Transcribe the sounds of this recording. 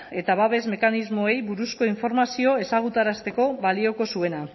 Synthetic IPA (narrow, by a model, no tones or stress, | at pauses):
e̞t̪aβaβe̞zme̞kanizmo̞e̞jβuɾusko̞iɱfo̞ɾmasio̞e̞saɣ̞ut̪aɾast̪e̞ko̞βalio̞ko̞sue̞na